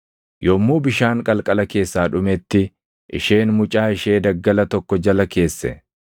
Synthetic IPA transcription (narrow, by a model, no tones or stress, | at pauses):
joːmːuːbɪʃaːŋkʼɐlkʼɐlɐke̞ːsːaːᶑʊmɛt̪ːɪ | ʔɪ̰ʃeːnmʊt͡ʃʼaːɪʃe̞ːd̪ɐɡːɐlɐt̪ɔkːɔd͡ʒɐlɐke̞ːsːɛ̰